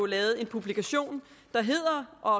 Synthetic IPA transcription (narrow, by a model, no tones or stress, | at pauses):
ʊlɛːð̞̩ˠe̝npʰub̥likʰæɕo̝̰ːnd̥ɑ̈ɦe̝ð̰ˠɐʔɒ̽ɒ